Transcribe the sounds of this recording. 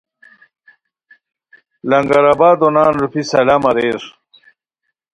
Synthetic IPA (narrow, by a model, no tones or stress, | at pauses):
lɐŋɡɐɾabaːd̪onaːnɾupisɐlamɐɾeːɾ